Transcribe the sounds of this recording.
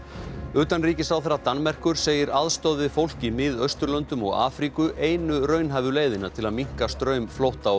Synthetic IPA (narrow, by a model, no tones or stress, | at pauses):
ʏːt̪anriːcɪsawθɛɾat̪anːmɛr̥kʏɾ̥seːjɪɾaðst̪ɔðɪfowl̥cɪmɪðœst̪ʏɾlœnt̪ʏmɔ̰ɣa̰ːfɾikʏʔeːjnʏrœːɥnɦaːvʏleːjðɪnat̪ʰɪlaðmiŋ̥kast̪ɾœːɥmflowht̪aw